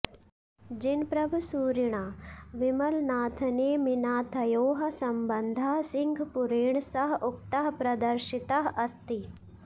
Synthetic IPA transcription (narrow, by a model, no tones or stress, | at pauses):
d͡ʒinpɾɐbʱusuːɾiɳ̃aːʋimɐlnaːt̪ʰɐneːminaːt̪ʰɐjoːɦɐsɐmbɐnd̪ʱɐɦsiŋɡʱpuɾeːɳ̃sɐɦʔʊk̚t̪ɐɦɐpɾɐd̪ɐɾʃit̪ɐɦɐst̪i